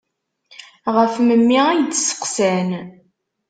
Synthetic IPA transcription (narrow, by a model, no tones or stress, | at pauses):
ʁəfməmːiæjd̪sə̥qsæn